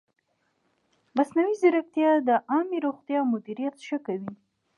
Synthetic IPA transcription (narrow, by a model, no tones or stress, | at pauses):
masnawizɪɾak̚t̪jɑd̪əʔɑmeɾoɣt̪jɑmʊd̪iɾijat̪ʃəkawi